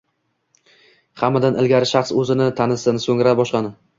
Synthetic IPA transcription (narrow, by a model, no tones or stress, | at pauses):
hamːad̪anʔɪlɡʲaɾɪʃaqsɵzɪnɪt̪ʰanɪsɪnɪsɵŋɾabɒʃqɑnɪ